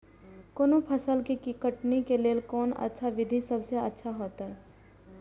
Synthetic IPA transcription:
koːnõpʰəsəlkikikəʈnikeleːlkɔːnə̰tːʃʰaʋɪd̪ʱisɐbseə̰tːʃʰaɦoːt̪aɦɛː

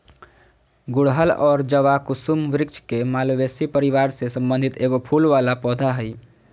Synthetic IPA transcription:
ɡʊɽɦəlɔːɾd͡ʒəʋakʊsumʋɾɪkt͡ʃʰkemaːlʋeːsipəɾɪʋaːɾsesə̃mbənd̪ʱɪt̪eːɡopʰuːlʋaːlapɔːd̪ʱaɦɛi

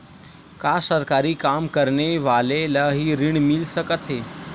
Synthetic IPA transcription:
kasəɾkaɾiːkamkəɾɳeʋaleləɦiːɾiɳmilsəkət̪ɦe

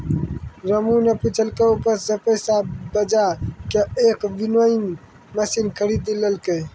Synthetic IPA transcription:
ɾəmuneput͡ʃʰəlkeupəsepəsaːbəd͡ʒakeeːkʋinwəin | mɐsinkʰəɾiːd̪iləlke

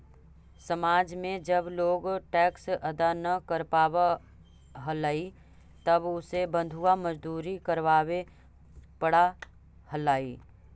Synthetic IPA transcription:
sɐmaːd͡ʒmẽd͡ʒɐbloːɡʈɛːksɐd̪anɐkəɾpaːwa | ɦɐlaːi | t̪ɐbʊsebə̃nd̪ʱuaməd͡ʒd̪uːɾikəɾʋaːwe | pəɽa | həlaːiː

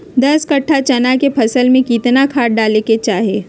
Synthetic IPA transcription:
d̪ɐskɐʈʰːat͡ʃɐnakepʰɐsəlmẽkiːt̪nakʰaːʈ̚ɖaːleket͡ʃaːɦeː

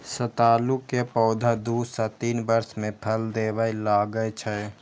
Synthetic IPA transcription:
sət̪aːlukepɔːd̪ʱad̪uːsat̪iːnbəɾsmẽpʰəld̪eːʋəjlaːɡəjt͡ʃʰə

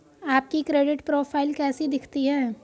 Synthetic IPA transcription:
aːp̚kikɾeːɖɪʈpɾoːpʰaːɪlkɛːsid̪ɪkʰt̪iɦɛː

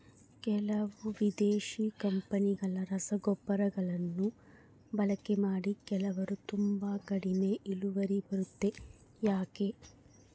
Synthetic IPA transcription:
kɛlɐʋuʋid̪eːʃiːkɐmpɐniɡɐɭɐɾɐsɐɡɔbːɐɾɐɡɐɭɐnːu | bɐlɐkːemaːɽikɛlɐʋɐɾut̪umbaːkɐɽine̞ʔiluʋɐɾibɐɾut̪ːe̞ | jaːke

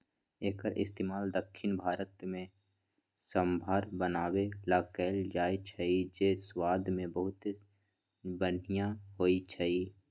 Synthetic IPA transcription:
eːkəɾʔɪ̰st̪eːmaːld̪əkʰʃɪnbʱaːɾət̪mẽ | sə̃mbʱaːɾbənaːwelaːkɛːld͡ʒaːet͡ʃʰɐid͡ʒeːswaːd̪mẽbəɦʊt̪ | bən̤ijãɦoːit͡ʃʰɐi

